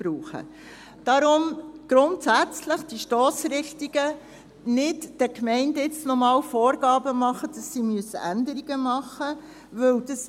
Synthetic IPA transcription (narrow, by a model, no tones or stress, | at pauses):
b̥ɾuːχə̰ | d̥ɑɾʊmɡ̥ɾʊntsæt͡sləχd̥iʃtɔːsɾɪχtiɡ̥ə | nɪtd̥əkmɛɪndɪt͡snɔmɑːwfɔːɾɡɑːbəmɑχəd̥ɑsːimyəsə̰ʔændəɾiɡəmɑχːə | ʋɵwd̥əs